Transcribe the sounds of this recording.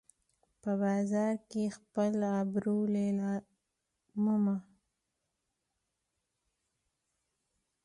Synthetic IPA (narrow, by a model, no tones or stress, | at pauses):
pəbɑzɑɾkexpəlabɾulelɑ | mʊma